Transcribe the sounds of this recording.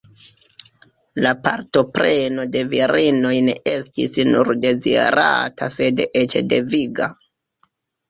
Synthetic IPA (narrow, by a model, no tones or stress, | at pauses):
lapaɾto̞pɾe̞no̞de̞viɾino̞jne̞estisnuɾde̞zḭḛɾa̰tʰase̞det͡ʃede̞viɡa